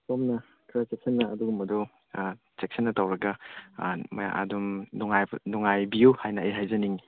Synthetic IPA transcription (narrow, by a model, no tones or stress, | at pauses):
sɔmnɐ | kʰɾat͡ʃek̚sɐnːɐʔɐduɡumɐdɔ | t͡ʃek̚sɐnːɐtawɾɐɡɐ | mɐ̰ja̰ʔa̰dumnɔŋajnɔŋajbijuhajnɐejɦajzɐniŋi